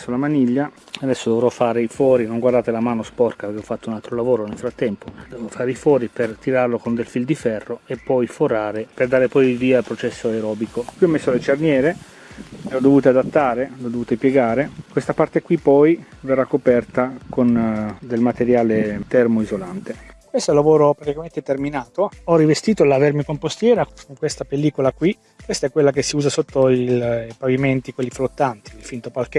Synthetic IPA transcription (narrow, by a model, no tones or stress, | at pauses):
sːolamaniʎːa | ad̪ɛsːod̪ovɾɔfːaːɾeifwɔːɾinoŋɡward̪aːt̪elamaːnospɔrkapeɾkeɔfːat̪ːounalt̪ɾolavoːɾonelfɾat̪ːɛmpod̪ɛvofaːɾeifwɔːɾipert̪iɾarlokond̪elfild̪ifɛrːoepːɔjfoɾaːɾeperd̪aːɾepɔjviːaːlpɾot͡ʃɛsːoeɾɔːbikokwiɔmːesːolet͡ʃernjɛːɾe | leɔd̪ːovuːt̪ead̪at̪ːaːɾelod̪ːovuːt̪epjeɡaːɾekwest̪apart̪ekwipɔj | verːakːopɛrt̪akʰond̪elmat̪eɾjaːlet̪ɛrmoizolant̪ekwest̪oɛlːavoːɾopɾat̪ikament̪et̪erminaːt̪oɔrːivest̪iːt̪olavɛrmikompost̪jɛːɾakoŋkwest̪apelːiːkolakwi | kwest̪aɛkːwelːak̬esːiuːzasot̪ːoilpaviment̪ikwelːiflot̪ːant̪iːlfint̪opalkɛ